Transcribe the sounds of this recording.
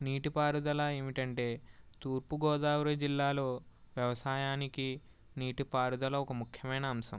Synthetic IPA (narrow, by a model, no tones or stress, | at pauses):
niːʈipaːɾud̪ɐlɐeːʋiʈɐɳʈe̞ːt̪uːɾpuɡɔːd̪aːʋɾɐd͡ʒilːaːlo̞ː | ʋjɐʋɐsaːjaːniki | niːʈipaːɾud̪ɐlɐɔkɐmukʰjɐmɐjnɐːmsɐ̰m